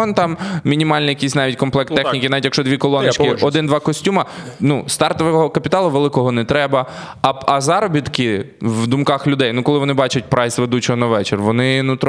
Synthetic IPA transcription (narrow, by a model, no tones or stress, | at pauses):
ɔnt̪ɑmmʲinʲimɑlʲnɛjɐkʲisʲnɑʋʲitʲkɔmplˠɛkt̪ːɛxnʲikɪnɑʋʲitʲjɐkʃt͡ʃɔd̪ʋʲikɔlˠɔnɪt͡ʃkɪɔd̪ɪnd̪ʋɑkɔsʲtʲumɐnust̪ɑrt̪ɔʋɛɦɔkɐpʲit̪ɑlˠʊʋelˠɪkɔɦɔnɛt̪ɾɛbɐ | ɐɐzɑɾɔbʲit̪kɪʋd̪ʊmkɑxlʲʊd̪ɛjnukɔlˠɪʋɔnɪbɑt͡ʃʊt̚ʲpɾɑjsʋed̪ut͡ʃɔɦɔnɐʋɛt͡ʃerʋɔnɪnut̪